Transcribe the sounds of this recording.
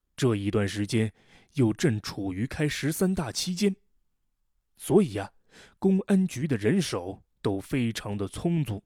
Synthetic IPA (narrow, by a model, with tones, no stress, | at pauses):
ʈ͡ʂɤ˥˩i˧˥t̪wa˥˩nʂɻ̩˧˥t͡ɕjɛ˥n | jo˥˧ʊʈ͡ʂə˥˩ŋʈ͡ʂʰu˨˩y˧˥kʰa˥ɪʂɻ̩˧˥sa˥nt̪a˥˩t͡ɕʰi˥t͡ɕjɛ˥n | swɔ˧˥i˨˩ɐ˦ | kʊ˥ŋa˥nt͡ɕy˧˥d̪ə˨ɻə˧˥nʂo˨˩ʊ | t̪o˥ʊfe˥ɪʈ͡ʂʰɑ˧˥ŋd̪ə˧t͡sʰʊ˥ŋt͡su˥˩